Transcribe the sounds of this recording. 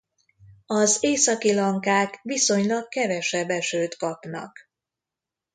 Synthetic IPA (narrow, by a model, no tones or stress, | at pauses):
ɒzeːsɒkilɒŋkaːkʋiso̞ɲlɒkːɛvɛʃɛbɛʃøːt̪kɒpnɒ̰k